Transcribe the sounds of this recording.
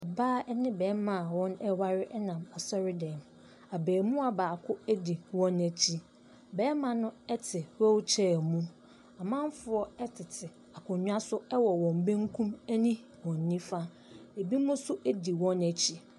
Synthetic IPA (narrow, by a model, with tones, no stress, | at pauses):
ɛ˨baː˦ɛ˦nɪ̃˦bɛː˨˦mã˨wɔ̃˦nɛ˦wa˦ɾɪ˦ʔɛ˦nã˨ma˨sɔ˦ɾɪ˦dɛ̃˨m | a˨bɛː˨mũ˦a˨baː˨kʰʊ˦æ˦di˨wɔ̃˦næ˨t͡ɕʰi˦ | bɛː˨˦mã˨nʊ̃˦ɛ˦tʰɪ˨wɔ˦wt͡ɕʰɛ˦˨mũ˦ | a˨mã˦m˦fʊ˨˦ɔ˦ɛ˦tʰɪ˨tʰɪ˨ | a˨kʰʊ̃˨˦ɲᶣ˦a˦sʊ˦ɛ˦wɔ˨wɔ̃˨m˨bẽ˦ŋkʰũ˦mæ˦nĩ˦ | wɔ̃˨nː˨ĩ˦fa˦ | e˨bi˦mʊ̃˦sʊ˦ʔæ˦di˨wɔ̃˦næ˨t͡ɕʰi˦